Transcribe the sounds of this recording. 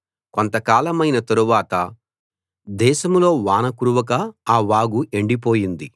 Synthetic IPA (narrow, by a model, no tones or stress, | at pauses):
kont̪ɐkaːlɐmɐjnɐt̪ɐɾuʋaːt̪ɐ | d̪ɛːʃɐmlo̞ːʋaːnɐkuɾuʋɐk̬ɐaːʋaːɡuʔe̞ɳɖip̬o̞ːjind̪i